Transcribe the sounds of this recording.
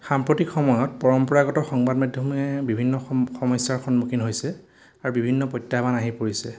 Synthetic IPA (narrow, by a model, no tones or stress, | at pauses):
xampɹotikʰːɔmɔjɔtpɔɹɔmpɔɹaɡɔtɔxɔŋbad̚madʱjɔmɛbibʱinːɔxɔmɔjsaɹxɔnmukʰinɦojsɛ | aɹubibʱinːɔpɔjtːabanaɦipoɹisɛ